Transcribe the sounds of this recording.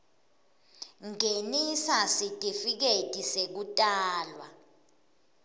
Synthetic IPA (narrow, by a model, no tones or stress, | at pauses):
ŋenisasitʼifik̬etʼisek̬utʼaːlwa̰